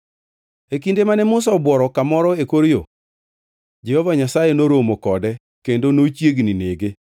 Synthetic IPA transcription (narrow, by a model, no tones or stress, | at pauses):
ekindemanɛmʊs̬aɔbwɔɾɔkamɔɾɔekoɾjo | d͡ʒɛhɔvaɲasajenoɾomokɔdɛ | kendonot͡ʃjeɡnineɡe